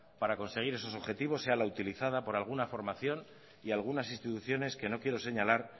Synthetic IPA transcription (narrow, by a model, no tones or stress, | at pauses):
paɾako̞nse̞ɣ̞iɾe̞so̞so̞βxe̞t̪iβ̞o̞sːe̞alaut̪iliθað̞apo̞ɾalɣ̞unafo̞ɾmaθjo̞n | ialɣ̞unasinst̪it̪uθjo̞ne̞ske̞no̞kje̞ɾo̞se̞ɲalaɾ